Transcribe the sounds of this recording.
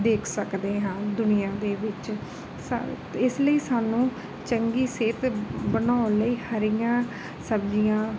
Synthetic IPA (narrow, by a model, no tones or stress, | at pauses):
d̪eːkʰsəkd̪eːɦãːd̪ʊnɪjãːd̪eːʋɪt͡ʃ | s | ɪsləiːsaːnũː | t͡ʃəŋɡiːseːt̪bənaːʊnləiːhəɾijãː | səbd͡ʒijãː